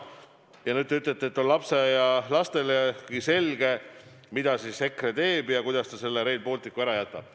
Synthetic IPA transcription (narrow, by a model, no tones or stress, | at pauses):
jɑnyt̪ːˑyt̪ːlet̪ːˑeet̪ːˑonlɑpse̞jɑlɑst̪e̞lekise̞lɡ̥e̞ | mid̪̥ɑsisːe̞kret̪e̞ːbjɑkujd̪̥ɑst̪ɑse̞lːeɾe̞ːlpo̞ːlt̪ːˑikːˑuæɾɑjæt̪ːˑɑb̥